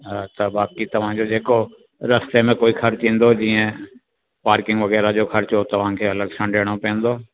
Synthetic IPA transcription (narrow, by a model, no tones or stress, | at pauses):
t̪ɐbaːkit̪ɐʋ̤ãd͡ʑod͡ʑeːko | ɾɐst̪emẽkoːixɐɾt͡ɕĩːn̆d̪od͡ʑiːə̃ | paːɾkɪ̃ŋɡʋɐɣɛːɾad͡ʑoːxɐɾt͡ɕot̪ɐʋ̤ãkʰeːɐləɡsə̃ɳɖʱeːɽ̃opẽːnd̪oː